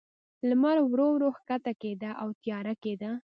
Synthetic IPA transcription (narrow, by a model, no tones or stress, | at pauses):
lmaɾwɾowɾohkat̪aked̪aʔawt̪jɑɾaked̪a